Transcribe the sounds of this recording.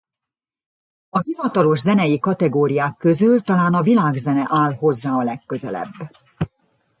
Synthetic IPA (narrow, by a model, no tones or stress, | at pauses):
ɒɦivɒt̪ɒlo̞ʒzɛnɛjikɒt̪ɛɡoːɾijaːkːø̞zylt̪ɒlaːnɒvilaːɡzɛnɛʔaːlɦo̞zːaːɒlɛkːøzɛ̰lɛ̰bː